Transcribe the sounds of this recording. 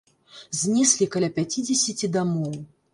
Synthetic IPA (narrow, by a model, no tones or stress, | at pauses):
zʲnʲisʲlʲikalʲapʲat͡sʲid͡zʲesʲit͡sʲid̪amɔw